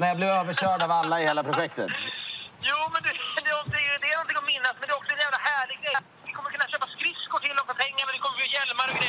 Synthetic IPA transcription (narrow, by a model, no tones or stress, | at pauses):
nɛjɑːblɪvøːvəɕœːɖaːvalːaɪheːlapʰɾʊɧɛkt̪ət̪juːmɛnd̪ed̪eɔɛd̪ɛɛɾnɔnt̪ʰɪŋɔmːɪnːasmɛndeɔksɔɛnjɛːlaɦæːɭɪɡɛ | ʋɪkʰɔmːəɾkʰɵnːaɕɛːpːaskɾɪskoʈ̪ʰɪlːɔksɔt̪ʰɛŋːəmɛnɪkɔmːəɾkːajɛlmaɾɪ